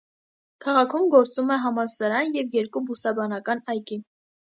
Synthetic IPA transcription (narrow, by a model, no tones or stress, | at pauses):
kʰɑʁɑkʰumɡɔɾt͡sumɛɦɑmɑnsɑɾɑnjɛvjɛɾkubusɑbɑnɑkɑnɑjki